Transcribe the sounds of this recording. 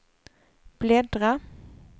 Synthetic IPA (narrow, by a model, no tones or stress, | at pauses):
b̥lɛd̪ɾa